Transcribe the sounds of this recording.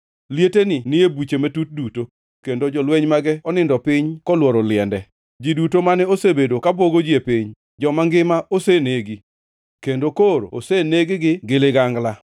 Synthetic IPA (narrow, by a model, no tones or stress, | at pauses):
ljetenɪnɪebit͡ʃemetut̚duto | kendod͡ʒɔlwɛɲmaɡɛɔnɪndɔpɪɲkɔlwɔɾɔlɪɛndɛ | d͡ʒidutomanɛosebedokaboɡod͡ʒjepɪɲ | d͡ʒɔmaŋɡɪmaʔoseneɡi | kendokoɾooseneɡɪɡɪɡeleɡaŋɡla